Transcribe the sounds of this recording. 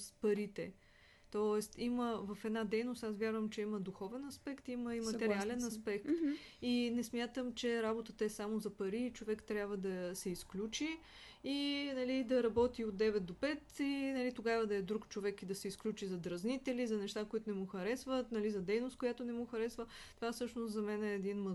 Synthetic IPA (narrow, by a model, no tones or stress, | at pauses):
spɐɾit̪ɛ̰ | t̪ɔɛst̪iməvɐfɛd̪nad̪ɛjnost̪asvʲjaɾvəmt͡ʃɛiməd̪uxɔvɛnɐspɛkt̪iməimɐt̪ɛɾɾialɛnɐspɛkt̪inɛsmʲjat̪əmt͡ʃɛɾabot̪ət̪əɛsamozɐpɐɾiːt͡ʃovɛkt̪ɾʲjabvəd̪ɐsɛisklʲut͡ʃi | inɐlid̪ɐɾɐbɔt̪iot̪̚d̪ɛvɛt̪̚d̪opɛt̪inɐlit̪oɡavəd̪ɐɛd̪ɾukt͡ʃovɛkid̪ɐsɛisklʲut͡ʃizɐd̪ɾɐznit̪ɛlizɐnɛʃt̪akoit̪oʊnɛmuxɐɾɛsvət̪nɐlizɐd̪ɛjnost̪kojat̪onɛmuxɐɾɛsvət̪ovafsɤʃnoszɐmɛnɛːd̪inmə